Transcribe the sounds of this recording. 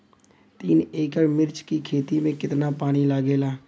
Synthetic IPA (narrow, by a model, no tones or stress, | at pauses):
t̪iːneːkəɾmɪɾt͡ʃkikʰeːt̪imẽkɪt̪napaːnilaːɡeːlaː